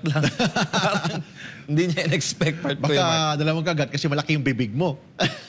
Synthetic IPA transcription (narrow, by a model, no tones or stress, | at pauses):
t̪laŋaɾɐŋɪnd̪iɲɐʔɪnɛkspɛk̚t̪̚pɐt̪̚bakkad̪ɐlamɐŋkɐʔɐɡat̪̚kɐsɛmɐlɐkɪjʊŋbibɪɡ̚mo̞